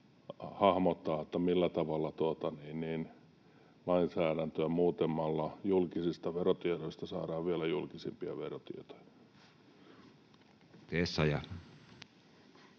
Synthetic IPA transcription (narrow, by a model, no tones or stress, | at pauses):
hɑhmot̪ːɑːet̪ːæmilːæt̪ɑʋɑlːɑt̪uot̪ɑniːnniːn | lɑinsæːɾænt̪øæmuːt̪emːɑlːɑjulkisist̪ɑʋerot̪ieɾoist̪ɑsɑ̰ːɾɑːʋʋielæjulkisimpiɑ̰ʋerot̪ḭet̪o̥j̥ɑ̥ | t̪esːɑjɑ